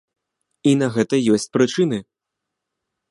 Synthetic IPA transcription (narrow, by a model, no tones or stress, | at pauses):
inɐɣɛt̪ɐjɔsʲt͡sʲpɾɨt͡ʂɨnɨ